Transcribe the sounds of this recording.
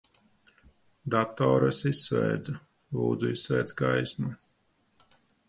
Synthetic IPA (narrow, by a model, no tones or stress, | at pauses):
d̪at̪ɔːɾasisːvɛ̰ːd̪za | lˠṵːd̪zuisːvɛːd̪zɡajsmu